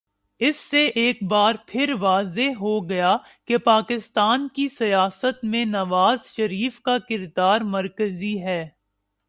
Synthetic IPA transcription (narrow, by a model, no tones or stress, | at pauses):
ɪsːeʔeːkbaːɾpʰɪɾʋaːzeɦoɡɐja | kepaːkɪst̪aːnkisɐjaːsət̪mẽnɐʋaːzʃɐɾiːfkakɪɾd̪aːɾmɐɾkəziɦɛː